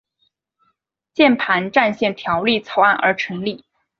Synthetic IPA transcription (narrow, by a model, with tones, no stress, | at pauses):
t͡ɕjɛ˥˩npʰa˧˥nʈ͡ʂa˥˧nɕjɛ˥˩nt̪ʰjɑ˧˥ʊli˥˩t͡sʰo˧˥ʊa˥˩nʔə̰˞˧˥ʈ͡ʂʰɤ˧˥ŋli˥˩